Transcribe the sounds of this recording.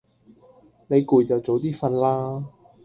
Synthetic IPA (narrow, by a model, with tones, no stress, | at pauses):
ne˨˧jkuː˨jt͡sɐ˨wt͡so˨˧wt̪iː˥fɐ˧nlaː˥